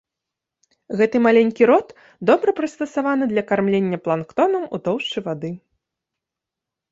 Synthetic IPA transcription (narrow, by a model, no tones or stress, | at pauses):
ɣɛt̪ɨmalʲenʲkʲiɾɔt̪ | d̪ɔbɾɐpɾɐst̪ɐsavan̪ɨd̪lʲɐkarmlʲenʲːɐplˠankt̪ɔnɐmud̪ɔwʂt͡ʂɨjvad̪ɨ